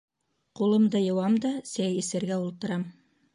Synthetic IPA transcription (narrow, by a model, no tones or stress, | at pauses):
qulˠɤ̆md̪ɤjɤ̆wɑmd̪ɑsæjĭsɘ̆ɾɡæulˠt̪ɤ̆ɾɑm